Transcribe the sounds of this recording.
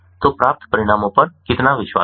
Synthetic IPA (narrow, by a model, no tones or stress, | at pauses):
t̪opɾaːp̚t̪pəɾɪɽ̃aːmõpəɾkɪt̪naʋɪʃʋa̰